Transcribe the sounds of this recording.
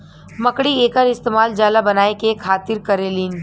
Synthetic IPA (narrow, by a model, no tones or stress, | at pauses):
mɐkɽieːkəɾɪst̪eːmaːld͡ʒaːlabɐnaːekekʰaːt̪ɪɾkɐɾeːlin